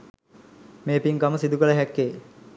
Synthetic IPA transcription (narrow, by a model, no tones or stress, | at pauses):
meːpiŋkaməsid̪ukələɦɛkːeː